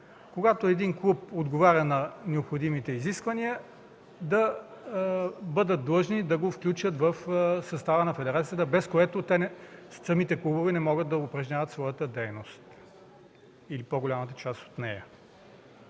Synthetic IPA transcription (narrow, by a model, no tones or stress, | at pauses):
koɡat̪oɛd̪inklˠup̚od̪ɡovaɾʲɐnɐnɛopxod̪imit̪ɛiziskvɐniə | d̪ɐ | bɤd̪ət̪̚d̪lˠɤʒnid̪ɐɡofklʲut͡ʃət̪vɐfsɐst̪avənɐfɛd̪ɛɾat̪ijət̪əbɛskoɛt̪ot̪ɛnssɐmit̪ɛklˠubovɛnɛmɔɡət̪d̪ɐʊpɾɐʒnʲavɐt̪svɔjət̪əd̪ɛjnost̪ | ilipoɡolʲamət̪ə̥t͡ʃast̪o̥t̪nɛjə